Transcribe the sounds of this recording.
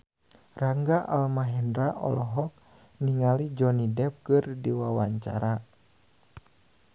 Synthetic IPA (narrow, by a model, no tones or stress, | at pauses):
raŋɡaʔalmaɦɛndɾaʔɔ̰lɔɦɔk̚ | niŋalid͡ʒɔnidɛp̚kɨrdiwawaɲt͡ʃa̰ɾa